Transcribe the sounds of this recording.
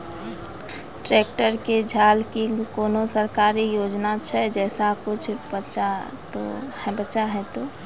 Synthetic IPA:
ʈɾek̚ʈəɾked͡ʒʱaːlkɪŋɡkoːnosəɾkaːɾijod͡ʒnat͡ʃʰɛd͡ʒɛːsakʊt͡ʃʰbətːʃa | t̪ohɛbətːʃaɦɛt̪o

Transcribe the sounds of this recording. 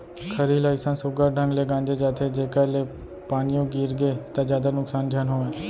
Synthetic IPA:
kʰəɾiːlaːɪsãːsʊɡaːɖə̃ŋɡleːɡãːnd͡ʒeːd͡ʒaːt̪ʰeːd͡ʒeːkaːleː | paːnɪjõɡiːɾɡeːt̪ad͡ʒjaːd̪aːnʊksaːnd͡ʒʱjaːnɦoːẽː

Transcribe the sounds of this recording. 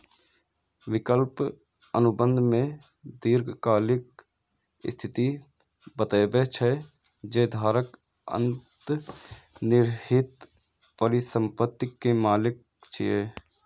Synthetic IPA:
ʋɪkəlp | ənʊbə̃nd̪ʱmẽ | d̪iːɾɡkaːlɪk̚ | ɪst̪ʰɪt̪i | bət̪eːbet͡ʃʰɛ | d͡ʒeːd̪ʱaːɾək | ə̰̃nt̪ | nɪɾhɪt̪ | pəɾɪsə̃mpət̪ːɪkːemaːlɪk̚ | t͡ʃʰieː

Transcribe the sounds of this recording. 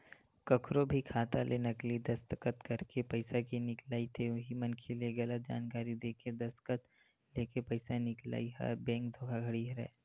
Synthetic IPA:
kɐkʰɾobʱikʰaːt̪alʔenɐklid̪ɐst̪əkət̪kɐɾkepɐɪsakinɪklaːit̪ʰeɦimɐnkʰeleɡɐlət̪̚d͡ʒa̰ːnkaːɾid̪eːked̪ɐst̪kət̪ | leːkepɐɪsanɪkla̰ːiɦɐ̰bɛ̃ːŋkd̪ʱoːɡʰaɡʱɐɽiɦɾɛ̰ː

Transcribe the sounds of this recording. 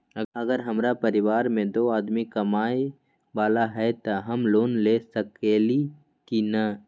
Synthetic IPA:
ɐɡəɾɦɐmɾapɐɾɪʋaːɾmẽd̪oːaːd̪mikɐmaːe | baːlaɦɛt̪aɦɐmloːnleːsɐkeːli | kina

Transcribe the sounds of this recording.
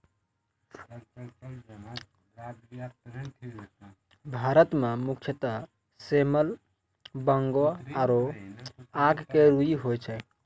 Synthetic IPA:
bʱaɾət̪memukʰjət̪ə | seməl | bəŋɡoaɾo | aɡkeɾuiɦojt͡ʃʰɛ

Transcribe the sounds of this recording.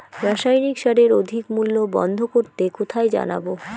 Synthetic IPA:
ɾaʃajnikʃaɾeɾod̪ʱikmulːobɔ̰nd̪ʱokoɾt̪ekot̪ʰajd͡ʑa̰na̰bo

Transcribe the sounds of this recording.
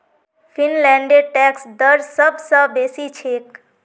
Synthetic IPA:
pʰinlɛɳɖeʈɛksd̪əɾsəbʱsə̃besit͡ʃʰek

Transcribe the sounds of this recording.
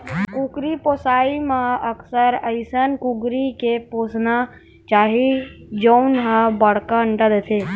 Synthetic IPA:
kukɾiposaimãəkʰsəɾəɪsənkuɡɾikeposna | t͡ʃaːɦid͡ʒənɦə̃bəɽkaəɳʈəd̪et̪ʰe

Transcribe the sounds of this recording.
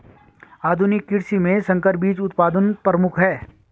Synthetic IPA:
aːd̪ʱʊnɪkːɪɽsimẽsɐ̃ŋkəɾbiːt͡ʃʊt̪paːd̪ənpɾəmʊkʰɦɛː

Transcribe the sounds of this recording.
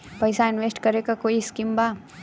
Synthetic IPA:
pəjsaɪnʋesʈkəɾekakoːiskimba

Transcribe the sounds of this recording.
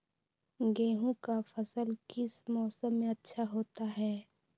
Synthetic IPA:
ɡẽːɦũkafʰəsəlkɪsmɔːsəmːẽɐtːʃʰaɦoːt̪aɦɛː

